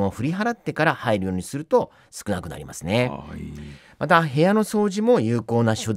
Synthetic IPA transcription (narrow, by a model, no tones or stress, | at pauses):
moɸɯ̟ɾʲiɦaɾat̪ːe̞kaɾahaiɾɯ̟jo̞ːɲ̟isɨɾɯ̟t̪o̞ | sɨ̥kɯ̟nakɯ̟na̰ɾʲḭma̰sɨne̞ | mat̪aɦe̞jano̞so̞ːʑimo̞jɯːko̞ːnaɕod̪